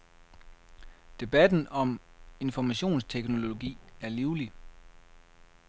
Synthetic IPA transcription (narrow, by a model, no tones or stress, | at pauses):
d̥e̝b̥æd̥n̩ɒ̽me̝nfɒmæɕo̝̰ːnst͡sʰeɡ̥no̝lo̝o̝ɡ̥ḭːæɐliʊli